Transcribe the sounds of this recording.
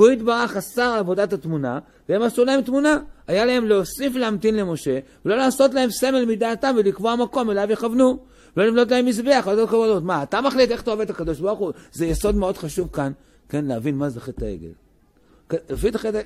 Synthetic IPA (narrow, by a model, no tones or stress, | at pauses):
oid̪baʁaχasaʁavo̞d̪atat̪muna | vee̞masulahe̞mt̪munaajalae̞mleosifleamt̪inle̞mo̞ʃe̞velo̞laːso̞t̪̬lae̞mse̞me̞lmid̪aːt̪amvelikvo̞amako̞me̞lavjeχavnu | velo̞limlo̞t̬lae̞mːis̬beaχat̪otkovalot̪maːt̪amaχlit̪e̞χt̪oavet̪akad̪o̞ʃbaʁχuzejeso̞d̪meo̞d̪χaʃuvkan | ke̞nleavinmazeχet̪a̰ḛɡḛl | kefit̪aχet